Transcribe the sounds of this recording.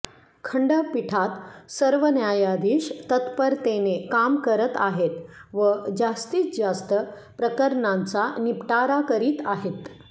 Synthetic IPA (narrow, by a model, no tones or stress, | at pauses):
kʰəɳɖəpiʈʰat̪səɾʋənjajad̪iːɕt̪ət̪pəɾt̪enekamkəɾət̪aɦet̪ʋəd͡zast̪iːt͡sd͡zast̪ə | pɾəkəɾɳãnt͡sanipʈaɾakəɾiːt̪aɦet̪